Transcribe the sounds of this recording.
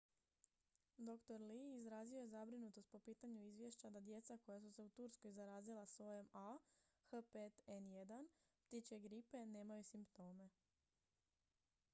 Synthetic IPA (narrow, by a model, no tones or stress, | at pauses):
d̪o̞kt̪o̞ɾliːzɾaːzio̞jezabɾinut̪o̞st̪̚po̞piːt̪aɲuizʋjeʃt͡ɕad̪ad̪je̞t̪sako̞jas̬use̞ut̪uɾskojzaɾaːzilˠasʋo̞je̞maxəpet̪enje̞d̪anpt̪it͡ɕeɡɾipe̞ne̞ːmajusimpt̪o̞ːme̞